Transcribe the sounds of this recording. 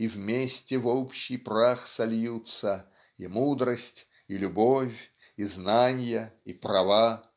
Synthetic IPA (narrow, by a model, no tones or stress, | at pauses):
ivmʲesʲtʲɪvopɕːɪjpraxsɐlʲjut̪sə | imud̪ɾəsʲtʲ | ilʲʊbofʲ | iznanʲjəiprɐva